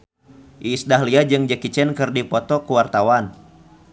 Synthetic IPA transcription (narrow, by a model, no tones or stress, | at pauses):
ʔiːsdahliad͡ʒɨŋd͡ʒəkit͡ʃɛnkɨrdipɔt̪ɔkuwart̪awan